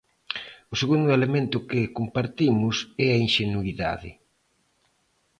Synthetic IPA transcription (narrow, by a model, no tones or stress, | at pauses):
ʊseɣund̪ʊelemẽnt̪ʊkɪkompaɾt̪imʊsɛɐinʃenuiða̰ðɪ̰